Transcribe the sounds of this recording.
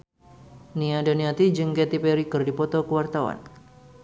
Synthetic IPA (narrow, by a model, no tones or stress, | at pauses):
niadaniat̪id͡ʒɨŋkɛt̪ipɛɾikərdipɔt̪ɔkəwart̪awa̰n